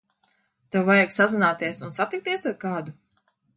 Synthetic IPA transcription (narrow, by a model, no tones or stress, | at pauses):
t̪awvajaɡsazinaːt̪iɛsunsat̪ik̚t̪iɛsaɾkaːd̪u